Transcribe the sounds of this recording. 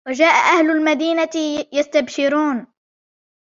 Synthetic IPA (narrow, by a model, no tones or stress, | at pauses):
wad͡ʒaːʔaʔahlʊlmad̪iːnajast̪abʃɪɾuːn